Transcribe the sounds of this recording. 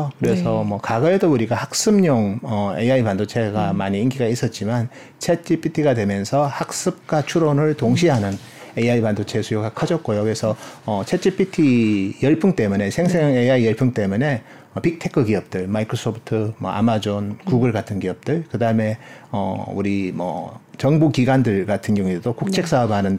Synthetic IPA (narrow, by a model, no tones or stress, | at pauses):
kɯɾe̞sʰʌmwʌkaɡʌedouɾiɡahak̚s͈ɯmɲoŋʌeiaipandot͡ɕʰe̞ɡamaɲiːnɡiɡais͈ʌt̚t͡ɕ͈iman | t͡ɕʰet͡ɕ͈ipʰitʰiɡadwe̞mjʌnsʰʌhak̚s͈ɯp̚k͈at͡ɕʰuɾonɯɭtoŋɕ̬ʰiɦanɯn | e̞iaipandot͡ɕʰe̞sʰujoɡakʰʌd͡ʑʌt̚k͈ojokɯɾe̞sʰʌʌt͡ɕʰet͡ɕ͈ʰipʰitʰijʌɭpʰɯŋt͈e̞mune̞sʰe̞ŋsʰeŋŋeiaijʌɭpʰɯŋt͈e̞mune̞ | ʌpik̚tʰe̞kʰɯɡiʌp̚t͈ɯɭmaikʰɾos͈ʰopʰɯ̥tʰɯmʌ̰ʔa̰mad͡ʑonkuɡɯɭɡatʰɯnkiʌp̚t͈ɯɭkɯdaɯme̞ʌ̰uɾimʌ̰t͡ɕʌŋbukiɡwandɯɭɡatʰɯnkjʌŋidokuk̚t͡ɕʰek̚s͈aɦʌbɯɦanɯn